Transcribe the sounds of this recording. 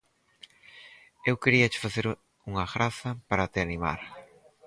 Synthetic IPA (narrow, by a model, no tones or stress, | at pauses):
ewkeɾiɐt͡ʃɪ̥faθeɾ | uŋɐɣɾaθɐpaɾat̪ɪanima̰ɾ